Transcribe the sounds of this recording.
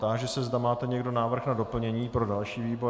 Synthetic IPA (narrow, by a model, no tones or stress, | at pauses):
t̪aʒɛsɛzdamaːt̪ɛɲɛɡdo̞naːvr̩xnado̞pl̩ɲɛɲiːpɾo̞dalʃiːviːbo̞